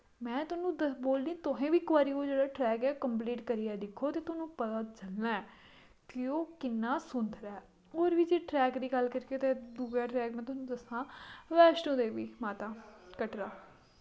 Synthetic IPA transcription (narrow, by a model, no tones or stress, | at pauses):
mɛ̃ːt̪ʊnũːd̪əboːlniːt̪ʊɦẽːʋiːkʊʋaːɾiːoːd͡ʒeːɽaːʈɾɛːkɛːkəmp̬liːʈkəɾiːɛːd̪ɪkʰːoːt̪eːt̪ʊnũːpət̪aːt͡ʃəlnaːɛː | kɪoːkɪnːaːsʊnt̪ɾɛː | oːɾʋiːd͡ʒeːʈɾɛːkd̪iːɡəlkəɾkeːt̪eːd̪uːɡaːʈɾɛːkmɛ̃ːt̪̬ʊnũːd̪əsãːʋɛːʃʈõːd̪eːʋiːmaːt̪aːkəʈɾaː